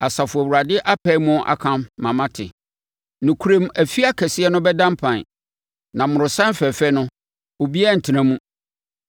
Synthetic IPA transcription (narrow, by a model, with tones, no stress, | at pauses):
a˨sa˨fʊ˨æ˨wu˨ɾa˨dɪ˦ʔa˦pʰɛ˦i˦mʊ̃˦ʔa̰˨kʰã˦mːã˨mã˦tʰɪ̰˨ | nʊ̃˨kʰu˦ɾẽ˦mæ˨fi˦a˦kʰɛ˨sɪ˦ɛ˦nʊ̃˦bɛ˦dã˦mpʰã˨n˨ | nã˨mʊ̃˨ɾʊ̃˨sã˦n˦fɛ˨fɛ˦nʊ̃˦ | o˨bi˦ɛ˦˨n̩˨tʰɪ˨nã˦mũ˦